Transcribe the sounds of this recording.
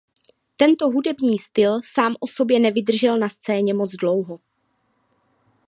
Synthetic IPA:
t̪ɛnt̪o̞ɦudɛbɲiːst̪ɪlsaːmʔo̞so̞bjɛnɛvɪd̪r̩ʒɛlnast͡sɛːɲɛmo̞d͡zdlo̞wɦo

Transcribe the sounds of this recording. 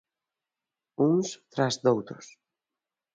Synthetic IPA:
uŋst̪ɾazd̪owt̪ɾʊs

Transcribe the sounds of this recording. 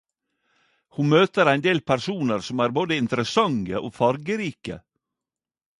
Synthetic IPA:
hunmøːt̪əɾæɪnd̪eːlpʰæɾsuːnəɾsɔmæːɾboːd̪əɪnt̪ɾəsɑŋə̰ʔoːfɑɾɡəɾiːkə̰

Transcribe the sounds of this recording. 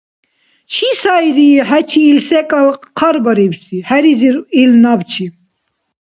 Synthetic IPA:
t͡ʃʰisajɾiɦæt͡ʃʰiːlsɛkʼalqʰaɾbaɾibsihæɾiziɾilnabt͡ʃʰi

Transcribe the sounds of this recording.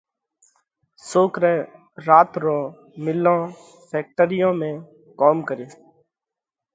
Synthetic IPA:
soːkɾɛː | ɾaːt̪ɾõː | mɪlːõː | pʰeːk̚ʈəɾɪjõːmẽː | koːmkəɾeː

